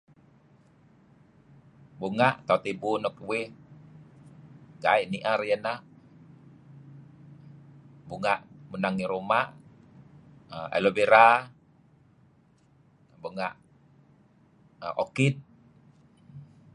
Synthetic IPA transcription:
buŋaʔt̪aut̪ebunɔk̚weh | ɡaiʔniʔaɾijəna | buŋaʔmunaŋiɾumaʔ | a̰lobeɾa | buŋaʔ | əʔokit̪̚

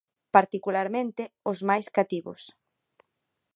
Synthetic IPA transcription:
paɾt̪ikulaɾmẽnt̪ɪʊzmajskat̪iβʊ̰s

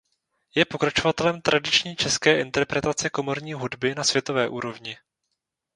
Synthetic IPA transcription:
jɛpo̞kɾat͡ʃo̞vat̪ɛlɛmt̪ɾʔadɪt͡ʃɲiːt͡ʃɛskɛːʔɪnt̪ɛɾpɾɛt̪at͡sɛko̞mo̞ɾɲiːɦudbɪnasv̥jɛt̪o̞vɛːʔuːɾo̞vɲɪ

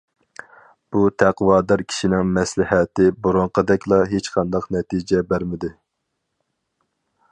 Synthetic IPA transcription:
b̥ut̪ʰæqwɑːd̪ɑɾkʲʰi̥ʃinɪŋmɛslɪɦɛt̪ɪboɾoɴqʰəd̪ɛkʲlˠɑɦet͡ʃqʰɑnd̪ɑqnɛt̪ʰid͡ʒɛbæɾmɪd̪ɪ

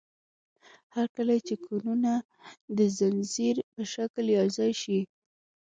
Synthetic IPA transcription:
haɾkəlat͡ʃekʰununa | d̪əzanziɾpəʃakljɑzajʃi

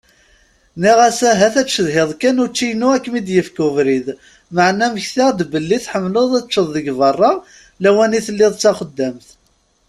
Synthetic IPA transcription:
niʁæsæɦæθæt͡ʃːəðɦɪðˤkænʊt͡ʃːijnuækːmid̪jəfkʊvɾið | məʕnæməçθad̪bəlːiθħəmlʊðˤæt͡ʃːəðˤðəɡvɑrˤːɑ | læwæniθəlːɪðˤt͡sːæχəd̪ːæmθ

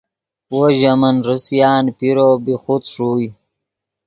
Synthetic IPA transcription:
woʑamənɾəsjɑːnpiɾoːbixut̪ʂuːj

